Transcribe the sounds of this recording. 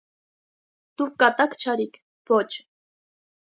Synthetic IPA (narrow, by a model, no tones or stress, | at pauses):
d̪̥ukkːɑt̪ɑkt͡ʃʰɑɾikʰ | vɔt͡ʃʰ